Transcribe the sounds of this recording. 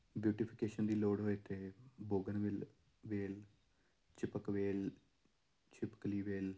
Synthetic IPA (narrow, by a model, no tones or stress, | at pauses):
bjuːʈɪpʰɪkeːʃənd̪iːloːɽɦoːeːt̪eːboːɡənʋɪl | ʋeːl | t͡ʃɪpəkʋeːl | t͡ʃɪpə̥kliːʋeːl